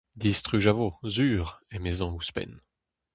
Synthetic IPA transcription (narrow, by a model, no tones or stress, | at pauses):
d̪ist̪χyʒavozyːʁemezɔ̃uspɛ̰n